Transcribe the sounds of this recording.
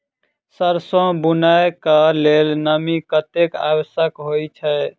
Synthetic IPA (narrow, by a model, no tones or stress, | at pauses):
səɾsɔ̃bunajkəlelnəmikət̪eka̰wəsəkɦojt͡ʃʰɛ